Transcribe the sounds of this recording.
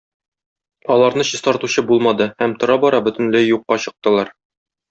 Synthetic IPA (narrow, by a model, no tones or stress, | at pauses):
ɒlˠɑɾnɤɕɤ̆st̪ɒɾt̪uɕɤbulˠmɑd̪ɤhæmt̪ŏɾɑbɒɾɑbɵ̆t̪ɘ̆nlæjːuqːɑɕɤ̆q̚t̪ɤ̆lˠɑɾ